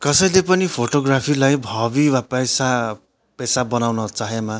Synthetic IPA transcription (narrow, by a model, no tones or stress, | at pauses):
kʌsʌjlepʌnipʰoʈoɡrapʰilajbʱʌbiwapʌjsa | pesabʌnawnʌt͡saɦema